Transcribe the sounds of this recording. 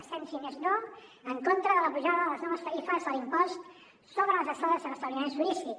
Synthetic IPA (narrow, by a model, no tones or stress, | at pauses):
sɛnsimeznoəŋkont̪ɾəðələpuʒaðəðələznɔməst̪əifəzðəlimpɔst̪ | soβɾələzəst̪aðəziələst̪əβɾimensuisi